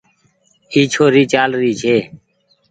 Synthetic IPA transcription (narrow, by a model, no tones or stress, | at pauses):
iːt͡ʃʰoːɾiːt͡ʃaːlɾiːt͡ʃʰeː